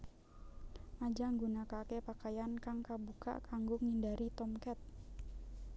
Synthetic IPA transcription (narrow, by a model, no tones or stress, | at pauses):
mad͡ʒaŋɡunakakepakajankaŋkabuka̰ʔkaŋɡʊŋindaɾit̪ɔmkɛt̪̚